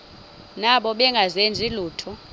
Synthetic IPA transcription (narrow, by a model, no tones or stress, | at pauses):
naɓɔɓɛŋɡʱazend͡zʱiluːtʰɔ